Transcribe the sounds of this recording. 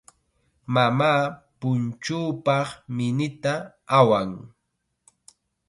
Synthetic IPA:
mamaːpʊnt͡ʃuːpɑχmɪnɪt̪a | awaŋ

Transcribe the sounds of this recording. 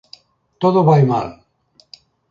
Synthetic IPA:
t̪oðoβajma̰l

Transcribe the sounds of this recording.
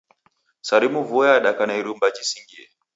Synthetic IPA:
saɾimuvuɛaɗakanaiɾumbad͡ʒisiŋɡiɛ

